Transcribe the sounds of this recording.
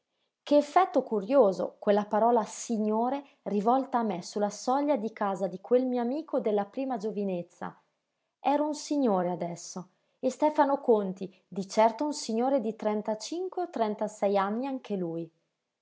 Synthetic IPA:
keːfːɛt̪ːokuɾjoːzo̰kwelːapaɾɔːlasiɲːoːɾe | rivɔlt̪aːmːesulːasɔʎːad̪ikaːzad̪ikwelmioamiːkod̪elːapɾiːmad͡ʒovinet̪sːa̰ | ɛːɾaunsiɲːoːɾead̪ɛsːo | est̪ɛːfanokont̪i | d̪it͡ʃɛrt̪ounsiɲːoːɾed̪it̪ɾɛnt̪at͡ʃiŋkweot̪ːɾɛnt̪asɛjanːiaŋkʰeluj

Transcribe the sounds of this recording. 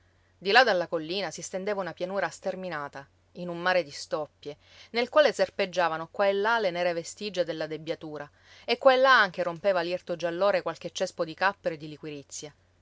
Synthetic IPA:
d̪ilad̪alːakolːiːnasist̪end̪eːvaunapjanuːɾast̪erminaːt̪a | inumːaːɾed̪ist̪ɔpːje | nelkwaːleserped͡ʒːaːvanokwaelːalenɛːɾevest̪id͡ʒːed̪elːad̪ebjat̪uːɾa | ekːwaelːaaŋk̟eɾompeːvaljert̪od͡ʒalːoːɾekwalk̟et͡ʃːɛspod̪ikapːeɾoed̪ːilikwiɾit̪sːja

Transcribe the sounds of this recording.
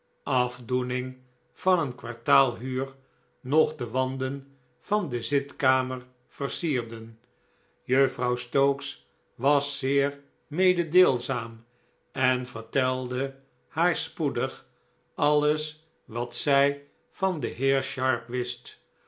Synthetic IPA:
ɑvdunɪŋ | v̥ɑnənkʋɑ̰ɹtaːlˠɦyːr | nɔχdəʋɑndən | v̥ɑndəzɪtkaːməɹ | v̥ərsiːʁdən | jøfrɑwstowks | ʋɑsːɪːɹ | mejdədeːlˠzaːm | ɛnvəɹtɛlˠdə | haːɹspudəχ | ɑləs | ʋɑtsɛj | v̥ɑndəɦɪːɹʃɑɹpʋɪst

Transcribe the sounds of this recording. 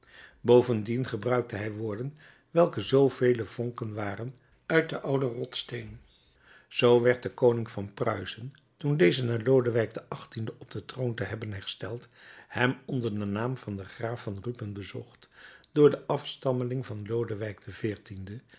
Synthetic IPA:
bowvəndinχəbrœɥk̚təɦɛjʋʊːɹdən | ʋɛlˠkəzowvejləv̥ɔŋkənʋaːrən | œɥt̚dəʔɑwdərɔtstejn | z̥owʋɛɹt̚dəkownɪŋvɑnprœ̰ɥzən | tundejzənaːɹlowdəʋɛjk̚dəʔɑχtindəʔɔb̚d̥ətrowntəɦɛbənɦɛɹstɛlˠthɛmɔndəɹdənaːmv̥ɑndəχraːfɑnrypənbəzɔχtd̥ʊːɹdəʔɑfstɑməlɪŋvɑnlowdəʋɛjk̚d̥əvɪːɹtində

